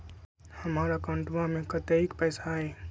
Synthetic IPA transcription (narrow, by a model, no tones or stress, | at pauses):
həmaɾəkawɳʈʋamẽkət̪eikpəjsaɦe